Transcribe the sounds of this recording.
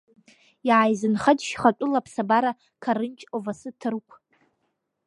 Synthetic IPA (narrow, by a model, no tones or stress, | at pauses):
jiʕajzɨnχadʃχatʷʼʊlapʰsabaɾa | kʰaɾɨnt͡ʃʼovasɨtʰɨrkʷʰ